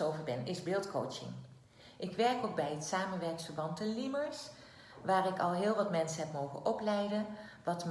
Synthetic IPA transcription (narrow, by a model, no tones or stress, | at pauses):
owvəɹbɛnɪzbɪːlˠtko̰wt͡ʃɪ̰ŋ | ʔɪkʋɛɹkok̚bɛjɦətsaːmənʋɛɹksfəɹbɑntɛliməɹs | ʋaːrɪkɑlˠɦɪːlˠʋɑtmɛnsənɦɛpmowχə̰nʔɔplɛjdənʋɑtm